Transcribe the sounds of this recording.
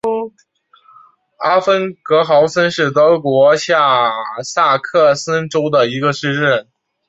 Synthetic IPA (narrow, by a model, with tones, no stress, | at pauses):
a˥fə˥nkɤ˧˥xɑ˧˥ʊsə˥nʂɻ̩˥˩t̪ɤ˥kwɔ˧˥ɕja˥˩sa˥˩˧kʰɤ˥˩sə˥nʈ͡ʂo˥ʊd̪ə˨i˧˥ɡə˧ʂɻ̩˥˧ɻə˥˩n